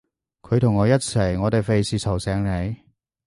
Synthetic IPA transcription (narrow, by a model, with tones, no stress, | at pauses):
kʰɵ˨˧ɥt̪ʰʊ˨˩ŋːɔː˨˧jɐ˥t̚t͡sʰɐ˨˩jŋɔː˨˧t̪e˨˩jfe˨jsiː˨sʰɐ˨˩wsɛː˨˥ŋle˨˧˥j